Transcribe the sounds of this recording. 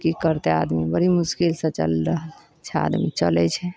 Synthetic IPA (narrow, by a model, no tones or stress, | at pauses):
kikəɾt̪ead̪mibəɾ̤imʊskilsə̃t͡ʃə̰lɾəɦəl | t͡ʃʰɛa̰d̪mit͡ʃə̰lɛt͡ʃʰɛ